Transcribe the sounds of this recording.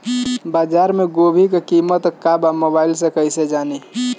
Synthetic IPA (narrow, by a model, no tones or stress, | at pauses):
baːd͡ʒaːɾmẽɡoːbʱikekiːmət̪kabamoːbaːɪlsekəised͡ʒaːni